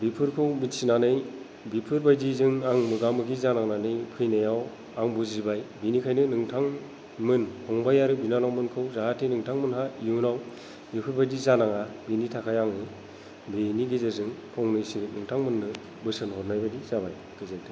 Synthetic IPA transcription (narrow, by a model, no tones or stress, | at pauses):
bipʰɯɾkʰɯwminsinanɯj | bipʰɯɾbajdizɯŋaŋmɯɡamɯɡizanaŋnanɯjpʰɯjnajaw | aŋbuzibajbinikʰajnɯnɯŋtʰaŋ | mɯnhʰɔŋbajaɾɯbinanawmɯnkʰɯwzaɦatʰːinɯŋtʰaŋmɯnɦaijunaw | bipʰɯɾbajdizanaŋabinitʰakʰajaŋɯ | biniɡizazɯŋpʰɔŋnɯjsinɯŋtʰaŋmɯnːɯ | bɯsɯnhɔɾnajbadizabaj | ɡ̥ɯzatʰɯ